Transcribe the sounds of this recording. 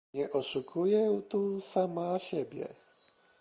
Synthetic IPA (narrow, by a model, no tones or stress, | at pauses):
ɲɛʔɔʂukʰujɛwt̪usamaɕɛbʲjɛ̰